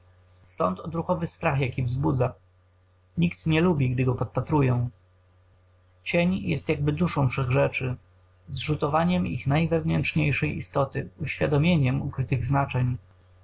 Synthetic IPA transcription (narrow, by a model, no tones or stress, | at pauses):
st̪ɔnt̪ɔd̪ɾuxɔvɘst̪ɾaxjakʲivzbud̪za | ɲikt̪ɲɛlubʲiɡ̚d̪ɘɡɔpɔt̪̚pat̪ɾujɛ̃w̃ | t͡ɕeɲjɛ̰st̪jaɡ̚bɘd̪uʂɔ̃w̃fʂɛɣʐɛt͡ʂɘ | zʐut̪ɔvaɲɛmḭxnajvɛvnɛnt͡ʂɲejʂɛjḭst̪ɔt̪ɘuɕfʲjad̪ɔmʲjeɲɛmukɾɘt̪ɘɣznat͡ʂɛɲ